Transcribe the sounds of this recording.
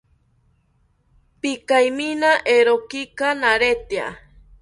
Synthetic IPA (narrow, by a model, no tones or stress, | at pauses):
pikajminaʔeɾokikanaɾet̪ja̰